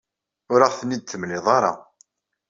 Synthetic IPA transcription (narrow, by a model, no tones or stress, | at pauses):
ʊɾəʁθənːid̪̚θəmlɪðˤɑɾˤɑ̰